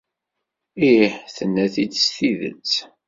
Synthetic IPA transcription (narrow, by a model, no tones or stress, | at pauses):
iħθənːæθit͡ssθiðə̰t͡s